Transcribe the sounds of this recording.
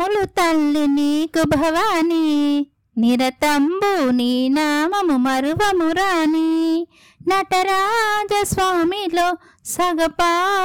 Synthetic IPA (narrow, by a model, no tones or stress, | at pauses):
ulut̪ɐlːiniːkubʱɐʋaːni | niɾɐt̪ɐmbuːninaːmɐmumɐɾuʋɐmuɾaːni | nɐʈɐɾaːd͡ʒɐsʋaːmiloː | sɐɡɐpaː